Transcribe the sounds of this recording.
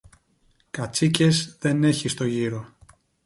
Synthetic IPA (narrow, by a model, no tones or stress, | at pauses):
kɐt͡sice̞zðe̞ne̞çist̪o̞ʝiɾo̞